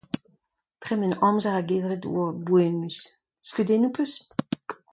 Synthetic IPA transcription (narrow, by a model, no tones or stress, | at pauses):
tʁɛmɛnɔ̃mzaʁaɡeːvʁetṵabwemys | skydenupøs